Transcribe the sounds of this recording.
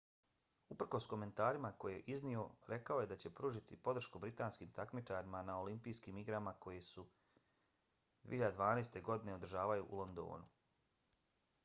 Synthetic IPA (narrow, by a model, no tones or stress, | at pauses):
upr̩ko̞sko̞me̞nt̪aːɾimako̞jeeʔiznio̞ɾʔe̞kao̞je̞d̪at͡ɕe̞pɾuːʒit̪ʰipo̞d̪ɾ̩ʃkubɾit̪aːnskiːmt̪akmit͡ʃaɾimanao̞limpiːskiːmiɡɾamako̞jesu | d̪vḭehiʎad̪ed̪ʋaːneːst̪e̞ɡo̞d̪ine̞o̞d̪ɾ̩ʒaːʋajuʔulˠo̞nd̪o̞̰ːnu